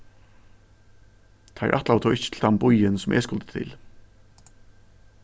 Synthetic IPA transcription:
t̪ʰaɪ̰ɾʔa̰t̪lawt̪ʰoːwɪhcːɪ̥t̪ʰɪlθʰambʊjɪnsʊmʔɛ̰skʊlt̪ɪ̥t̪ʰɪ̰l

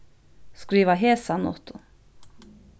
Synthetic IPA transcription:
skɾiːʋaɦeːsanɔ̰t̪ʊ

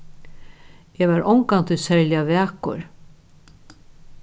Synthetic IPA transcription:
ɛvaɾʔɔwŋkant̪ʰʏsɛɹljavɛːkʊ̰ɹ

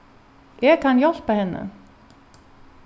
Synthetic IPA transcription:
ɛkhanjɔl̥pahɛnːa̰

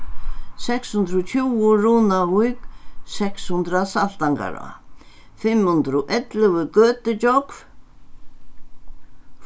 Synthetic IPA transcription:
sɛkshunt̪ɾʊt̪ʰuwʊɾuːnavujksɛkshunt̪ɾasal̥t̪aŋka̰ɾa̰ | fɪmhunt̪ɾʊʔɛt̪lɪvʏkœːt̪ɪt͡ɕɔkv

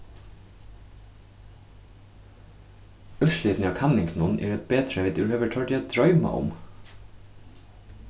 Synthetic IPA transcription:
œʃliːt̪n̩ɑːkʰɑnɪŋkʰnʊnʔḛːɹɛt̪̚beːt̪ʰɾɛʋɪːt̪ʉːɾøːʋəʈʰɑːʈiːɛt̪̚d̪̥ɹœʏmɑ̰ʔʊ̰m

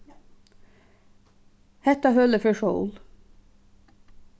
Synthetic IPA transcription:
hɛt̪ɑhœləfœʃo̰ʊl

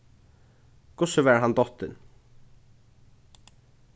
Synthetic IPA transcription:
kʰʊsʊvɛɹɦand̪ɔht̪ɪn

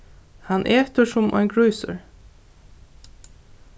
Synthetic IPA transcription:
hɑnʔeːt̪əʃʊmʔɔ̰ɪnɡɹœʏsə̰ɹ

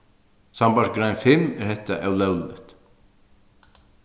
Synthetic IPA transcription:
sambasɡɾajnfɪmɛɾhɛt̪ːa̰ʔɛwlɛwlɪ̰t̪

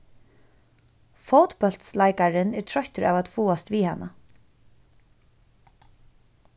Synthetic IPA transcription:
fowt̪bœl̥t̪slajkaɾɪnɛɹt̪ʰɾɔçt̪ʏɾʔa̰wvat̪fuːast̪viːhana

